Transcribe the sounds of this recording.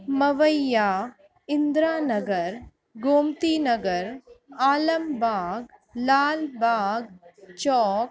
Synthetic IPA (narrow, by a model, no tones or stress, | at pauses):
mɐʋəjaː | ɪnd̪ɾaːnɐɡɐɾ | ɡoːmt̪iːnɐɡɐɾaːlɐmbʱaːɡlaːlbaːɡt͡ʃɔːk̚